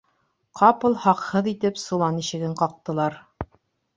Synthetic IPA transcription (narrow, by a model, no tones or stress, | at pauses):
qʰɑpɤ̆lˠhɑqhɤðit̪ɘpsŭlˠɑniɕɘ̆ɡɘɴqɑq̚t̪ɤ̆lˠɑɾ